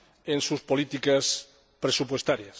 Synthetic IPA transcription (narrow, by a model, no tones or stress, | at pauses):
ensuspolit̪ikas | pɾesupwest̪aɾjas